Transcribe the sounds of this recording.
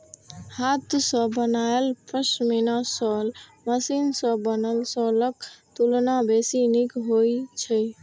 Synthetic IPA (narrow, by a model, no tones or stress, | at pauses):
hat̪səbənaelpɾəsminasɔlməsinsə̃bənəlsɔlək̚t̪ulnabesinikɦojt͡ʃʰəj